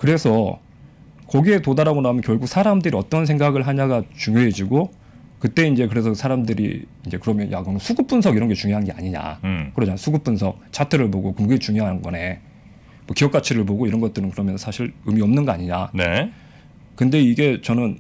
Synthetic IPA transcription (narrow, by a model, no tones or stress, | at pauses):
kɯɾe̞sʰʌ | kʌɡie̞todaɾaɡonaɦumjʌnkjʌɭɡuk̚sʰaɾamdɯɾiʌt͈ʌnsʰe̞ŋɡaɡɯɭɦaɲaɡat͡ɕuŋjoɦe̞d͡ʑiɡo | kɯt͈e̞ind͡ʑe̞kɯɾe̞sʰʌsʰaɾamdɯɾḭind͡ʑe̞kɯɾʌmjʌnja̰kɯnɯnsʰuɡɯp͈unsʰʌɡiɾʌnɡe̞t͡ɕuŋjoɦanɡea̰ɲiɲa̰kɯɾʌd͡ʑamasʰuɡup͈unsʰʌk̚t͡ɕʰatʰɯɾɯɭpoɡokɯmɡet͡ɕuŋjoɦanɯnɡʌne̞ | mʌkijʌk͈at͡ɕʰiɾɯɭboɡoiɾʌnɡʌt͈ɯɾɯnkɯɾʌmjʌnsʰʌsʰaɕʰiɾɯmiʌmnɯnɡʌaɲiɲa̰ne | kɯnde̞iɡe̞t͡ɕʌnɯn